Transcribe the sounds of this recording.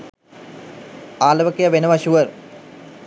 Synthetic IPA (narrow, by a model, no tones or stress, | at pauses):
aːlɐʋɐkːɐjɐʋenɐʋɐɕuʋɐr